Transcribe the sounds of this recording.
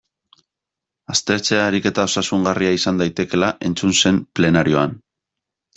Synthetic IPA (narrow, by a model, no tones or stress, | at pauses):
ast̪e̞ɾt͡se̞aɾike̞t̪ao̞sasuŋɡariaisand̪ajt̪e̞ke̞laʔe̞nt͡sunse̞mple̞naɾio̞an